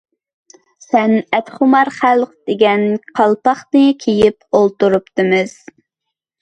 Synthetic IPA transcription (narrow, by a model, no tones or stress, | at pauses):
sɛnɛt̪χʊmɑɾχælˠqd̪̥eɡʲɛnqʰɑlˠpɑχnɨkʲʰejipolˠt̪uɾupt̪ɨmɨz̥